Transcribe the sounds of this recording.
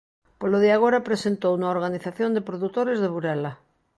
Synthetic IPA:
poloðiaɣ̞oɾapɾesent̪ownuaoɾɣaniθaθjond̪epɾoðut̪oɾezðeβuɾɛla

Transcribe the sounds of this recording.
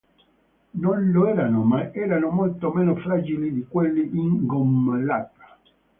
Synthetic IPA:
nonloɛːɾanomaʔɛːɾanomolt̪omenofɾad͡ʒilid̪ikwelːiʔiŋɡomlat̪ḁ

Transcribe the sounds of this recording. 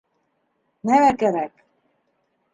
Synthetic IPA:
nælækæɾæk

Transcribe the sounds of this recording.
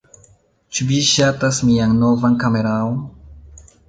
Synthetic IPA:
t͡ʃuviʃatasmiaŋno̞vankame̞ɾaon

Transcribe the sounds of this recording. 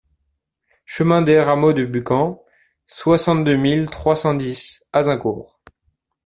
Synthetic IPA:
ʃəmɛ̃d̪eʁamod̪əbykɑ̃ | swasɑ̃t̪̚d̪ømilt̪χwasɑ̃d̪isazɛ̃kṵːʁ

